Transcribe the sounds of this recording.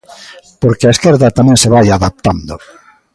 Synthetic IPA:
poɾkeaeskɛɾðɐt̪amɛ̃ŋseβajaðap̚t̪and̪ʊ

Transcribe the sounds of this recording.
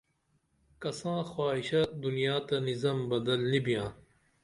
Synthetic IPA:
kɐsãːxwaːiɕɐd̪unijaːt̪ɐnizɐmbɐd̪ɐlːibijãː

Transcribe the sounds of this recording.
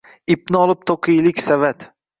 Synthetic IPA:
ɪp̚nɪɒlˠɪp̚t̪ʰoqʰijlɪkʲsavat̪

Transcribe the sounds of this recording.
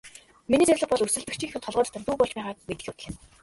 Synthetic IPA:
miniːt͡sæɾʲɮə̆χpɔɮɵrsɘ̆ɮt̪ɘ̆kt͡ɕʰiːŋxʲuːt̪ʰɔɮʁɔːt͡ɕ̪ʰt̪ănt̪uːpɔɮt͡ɕpæːʁaːk̚met̪ɘ̥̆xʲʊt̪̆ɮɘ̆n

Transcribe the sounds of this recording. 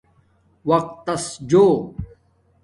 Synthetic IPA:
wɐq̚t̪ːɐsd͡ʑoː

